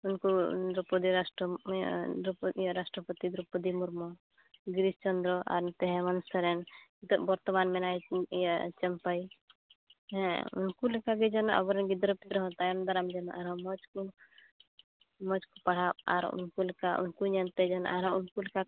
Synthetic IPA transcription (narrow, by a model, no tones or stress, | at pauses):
unkud̪ɾɔpɔd̪iɾasʈɔd̪ɾupjɾasʈɾɔpɔt̪id̪ɾupɔd̪imuɾmɔ | ɡɾist͡ʃɔnd̪ɾɔʔa̰ɾnt̪ɛɦɛ̃mɔnsɔɾɛnt̪ɔbɔɾt̪ɔmanmɛnajjat͡ʃɛmpaj | ɛ̃ṵnkulɛkaɡɛd͡ʒɔnɔʔa̰bɔɾɛnɡid̪ɾɔpiɾɔɦɔ̃t̪ajamd̪ɔɾamd͡ʒɔnɔʔaɾɔmɔd͡ʒku | mɔd͡ʒkupaɽ̤aba̰ɾṵnkulɛkaʔṵnkuɲant̪ɛd͡ʒɔn̰ʔaɾɦɔunkulɛka